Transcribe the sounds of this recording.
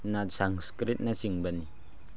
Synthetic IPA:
natsaŋskɾit̪̚nasiŋbani

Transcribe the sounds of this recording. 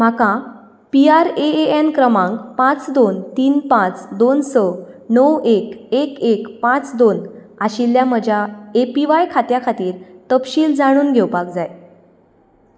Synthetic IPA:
m̤akã | piaɾeeenkɾəmãŋɡpãt͡sd̪ont̪iːnpãt͡sd̪onsɔnəwekekekpãt͡sd̪on | aɕiljam̤əd͡ʑʱjaepiʋajkʰat̪jakʰat̪iːɾt̪əpɕiːld͡zaɽ̃uːnɡʱewpak̚d͡zaj

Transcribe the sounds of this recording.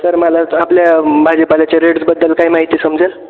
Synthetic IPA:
səɾməlaapljabʱad͡ʑepalat͡ɕeɾeɽsbəd̪ːəlkaɦimaɦit̪iːsəmd͡ʑel

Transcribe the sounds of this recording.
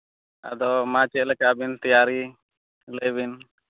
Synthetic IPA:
a̰d̪ɔmat͡ʃɛʔ̚lɛkaʔbint̪ijaɾi | ləbin

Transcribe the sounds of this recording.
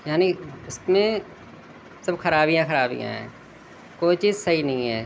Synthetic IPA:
jaːniɪsmẽ | sɐbxɐɾaːbijãxəɾaːbḭjã̰ɦɛ̰̃ː | koːit͡ʃiːzsɐɦinɐɦĩɦɛː

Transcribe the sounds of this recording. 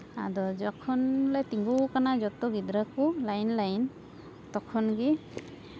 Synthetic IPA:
a̰dɔd͡ʒakʰɔnlajtiŋɡukanad͡ʒɔtɔɡidɾakulajnlajn | tɔkʰɔnɡi

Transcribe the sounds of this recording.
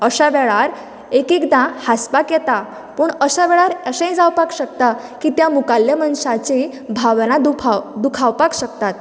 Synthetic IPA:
əɕaʋɛɭaɾ | ekikd̪ãhaspakjɛt̪a | puːɳəɕaʋɛɭaɾəɕə̃d͡zawpakɕək̚t̪a | kiːt̪jamukaljəmənɕat͡ɕi | bʱaʋnad̪uad̪ukʰawpakɕəkt̪at̪̚

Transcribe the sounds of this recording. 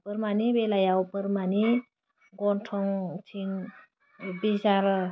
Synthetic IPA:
pəɾmanibelajawpəɾmani | ɡɔntʰɔŋtʰin | bisaɾ

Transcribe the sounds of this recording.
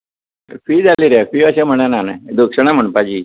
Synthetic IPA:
fiːd͡zaliɾafiəɕẽm̤əɽ̃ananad̪ukʂəɳ̃am̤əɳpad͡ʑiː

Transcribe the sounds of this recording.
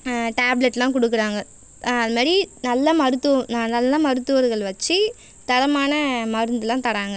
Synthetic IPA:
ʈaːblɛʈːlãːk̬ɔɽɯk̬ːɯɾaːŋɡɐ | ɐðɐmaːɾinɐlːɐmɐɾɯt̪ːɯʋnanɐlːɐmɐɾɯt̪ːɯʋɐɾɣɐɭʋɐt͡ʃːɯ | t̪ɐɽɐmaːnɐmɐɾɯnd̪ɯlãːt̪ɐɽaːŋɡɐ

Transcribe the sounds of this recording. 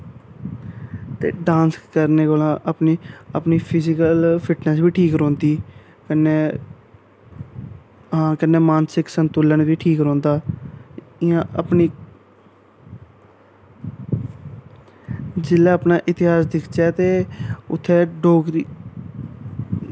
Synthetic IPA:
t̪ḛːɖãːnskəɾneːkoːlãːʔəpniːəpniːpʰɪzɪkəlpʰɪʈnəsʋiːʈʰiːkɾɔ̃ːnd̪iː | kəneː | ɦãːkənːeːmãːnsɪksənt̪ʊləɳʋiːʈʰiːkɾɔ̃ːnd̪aː | ɪãːʔəpniː | d͡ʒɪlaːəpnaːʔɪt̪ɪɦaːsd̪ɪkʰt͡ʃɛːt̪eːʊt̪ʰːeːɖoːɡɾiː

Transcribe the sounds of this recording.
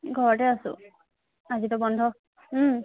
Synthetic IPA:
ɡʱɔɹɔtɛasʊ̰̃ | azitɔbɔndʱɔ

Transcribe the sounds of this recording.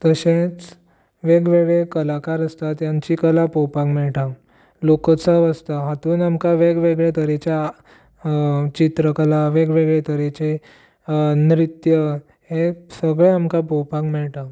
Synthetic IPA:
t̪əɕẽt͡s | ʋeɡʋeɡɭekəlakaɾəst̪at̪jãɲt͡ɕikəlapɔwpãkmɛɭʈa | lokət͡saʋəst̪aɦat̪uːnamkaʋeɡʋeɡɭet̪əɾet͡ɕa | t͡ɕit̪ɾəkəlaʋeɡʋeɡɭet̪əɾet͡ɕe | nɾit̪jə | ɦesəɡɭeamkapɔwpãkmɛɭʈa

